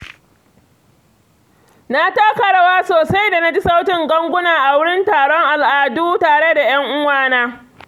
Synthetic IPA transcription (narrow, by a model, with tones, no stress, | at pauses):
na˦taː˦kɐ˦ɽa˦˨waː˦soː˨sa˦jda˨na˦d͡ʒi˦sa˦wtɪ˨ŋɡɐ˦ŋɡʷʊ˦naː˨ʔa˨wʊ˦ɽɪ˦ntaː˨ɽɔ˦ŋʔa˨lʔaː˨duː˦taː˨ɽe˦da˨j̰ɐ˦ŋʔʊ˦waː˦naː˦